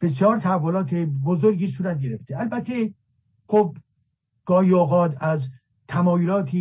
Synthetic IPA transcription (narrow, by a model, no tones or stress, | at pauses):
b̥esjɒːɾt̪ʰæhævːolɒːt̪ʰebozoɾɡiːsuːɾæt̪̚ɡeɾeft̪ʰeælbæt̪ʰːe | xob̚ | ɡ̥ɒːhiːoːɣɒːt̪ʰæz | t̪ʰæmɒːjolɒːt̪ʰiː